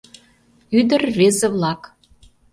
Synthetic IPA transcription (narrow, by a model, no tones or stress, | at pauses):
yd̪ərvezĕβlɑk